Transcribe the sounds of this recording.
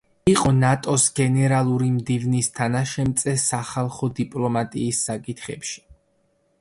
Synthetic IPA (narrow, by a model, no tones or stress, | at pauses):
iqʼɔnat̪ʼɔsɡɛnɛɾalˠuɾimd̪ivnist̪ʰanaʃɛmt̪sʼɛsaχalˠχɔd̪ipʼlˠɔmat̪ʼiːsːakʼit̪ʰχɛpʃi̥